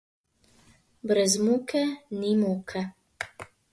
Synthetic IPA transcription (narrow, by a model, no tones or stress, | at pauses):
bɾɛzmukɛnimoːkʰɛ